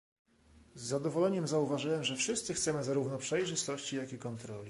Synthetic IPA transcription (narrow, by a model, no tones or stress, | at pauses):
zːad̪ɔvɔlɛɲɛmzauvaʐɘwɛmʐɛfʂɘst̪sɘxt̪sɛmɘzaɾuvnɔpʂɛjʐɘst̪ɔɕt͡ɕijakikɔnt̪ɾɔlʲi